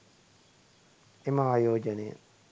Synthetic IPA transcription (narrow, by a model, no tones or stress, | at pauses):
emaaːjoːd͡ʒɐnej̰